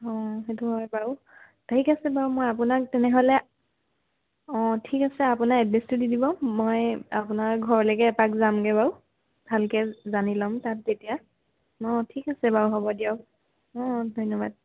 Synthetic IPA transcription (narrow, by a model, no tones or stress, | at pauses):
ɔ̃ɦetuɦɔjbaʊ | taikasɛbawʊmojapunak̚tɛnɛɦolɛ | ɔ̃tʰikasɛapunaɛdestudidibɔmojapunaɹɡʱɔɹɔlɔkɛːpakzamɡɛbaw | bʱalkɛzanilɔmtatetija | ɔ̃tʰikasɛbauɦɔbɔdiaʊ | ɔ̃dʱɔjnɔba̰d̚